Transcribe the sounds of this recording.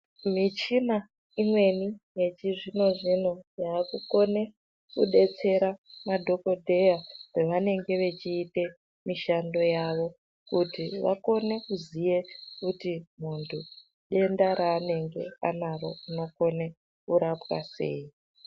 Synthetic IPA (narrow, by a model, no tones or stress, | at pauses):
mit͡ʃina | imwe̞nije̞t͡ʃiʐino̞ʐino̞jaːkuko̞ne̞ | kuɗe̞t͡se̞ɾamadʱo̞ko̞dʱe̞jareʋane̞ŋɡe̞ʋe̞t͡ʃiːte̞ | miʃando̞jaʋo̞ | kutiʋa̰ko̞ne̞kuzije̞kutimuntʰu | ɗe̞ndaɾaːne̞ŋɡe̞̰a̰naɾo̞̰uno̞ko̞ne | kuɾapwa̰se̞̰ːi